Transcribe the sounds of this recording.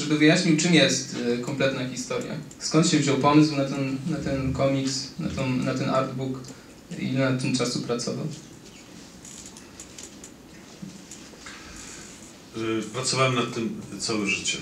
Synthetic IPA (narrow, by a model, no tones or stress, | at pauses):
ʐɛbɘvɨjaɕɲiwt͡ʂɨmjɛst̪kɔmplɛt̪naxʲist̪ɔɾʲja̰skɔnt̪ɕɛvʑɔwpɔmɘswnat̪ɛnnat̪ɛnkɔmʲiksna̰t̪ɔnat̪ɛnʔaɾd̪buk | ḭnat̪ːɘmt͡ʂasupɾat̪sɔva̰w | pɾat̪sɔvawɛmnat̪ːɘmt̪sawɛʐɘt͡ɕɛ